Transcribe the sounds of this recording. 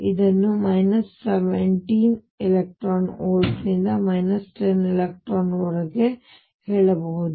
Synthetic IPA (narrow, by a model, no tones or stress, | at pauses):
id̪ɐnːumɐjnɐsːeʋeɳʈiːn | elek̚ʈɾaːnoːɾsnind̪ɐmɐjnɐsʈenilek̚ʈɾaːnɔɾɐɡe | heːɭɐbɐɦud̪u